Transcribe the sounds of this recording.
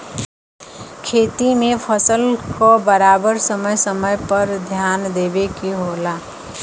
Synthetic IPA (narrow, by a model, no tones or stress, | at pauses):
kʰeːt̪imẽpʰəsəlkobəɾaːbəɾsəməjsəməjpəɾd̪ʱjaːnd̪eːbekeɦoːlaː